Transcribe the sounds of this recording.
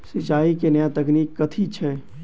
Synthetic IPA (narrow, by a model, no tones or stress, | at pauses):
sɪt͡ʃaːikenəjat̪ɐkniːkːɐt̪ʰit͡ʃʰɛː